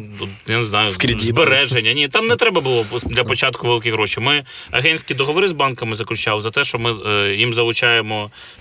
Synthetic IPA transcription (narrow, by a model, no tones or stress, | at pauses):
ujaneznɑjʊkɾdʲib̪eɾɛʒenʲːɐnʲit̪ɑmnɛt̪ɾɛbɐbʊlˠɔd̪lʲɐpɔt͡ʃɑt̪kʊʋelˠɪkɪɦɾɔʃijmɪɐ̰ɦɛnʲsʲkʲid̪ɔɦɔʋɔɾɪzbɑnkɐmɪzɐklʲʊt͡ʃɑwˠzɐt̪ɛʃt͡ʃɔmɪjimzɐlˠʊt͡ʃɑjemɔ